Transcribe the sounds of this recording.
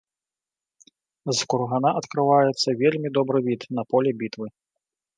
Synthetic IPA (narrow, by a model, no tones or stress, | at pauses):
zkurɣanaʔɐt̪kɾɨvajɛt̪sːɐvʲelʲmʲid̪ɔbɾɨvʲit̪nɐpɔlʲɛbʲit̪vɨ